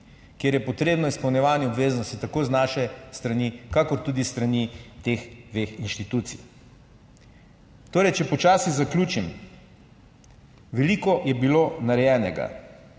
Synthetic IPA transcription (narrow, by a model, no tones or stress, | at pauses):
kjeːɾjɛpɔt̪ɾeːbnɔispɐwnʲjɛʋaːnjɛɔbʋeːznɔst̪it̪akoːznaːʃɛst̪ɾɐniːkakɔɾt̪ud̪ist̪ɾanit̪exd̪ʋexinʃt̪it̪uːt̪sḭj | t̪oːɾɛjt͡ʃɛpɔt͡ʃaːsiɣzaklʲuːt͡ʃim | ʋɛlikɔjɛbilonaɾɛjɛːnɛɡa̰